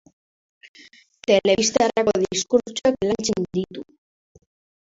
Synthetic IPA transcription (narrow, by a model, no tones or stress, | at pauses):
t̪e̞le̞ist̪arako̞ðiskut͡ʃuaklant͡sind̪it̪u